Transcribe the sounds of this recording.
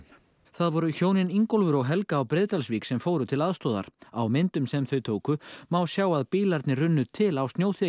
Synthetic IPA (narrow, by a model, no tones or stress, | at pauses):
θaðvɔɾʏçoːwnɪniŋkɔlvʏɾɔɣɦɛlkaːwpɾɪːðt̪alsviːksɛmfoːwɾʏt̪ʰɪlaðst̪ɔːða̰ɾ̥awmɪnt̪ʏmsɛmθœɥt̪ʰoːwkʏmawsjaːwaðpiːlaɾt̪nɪrʏnːʏt̪ʰɪlawst̪njoːwθɛ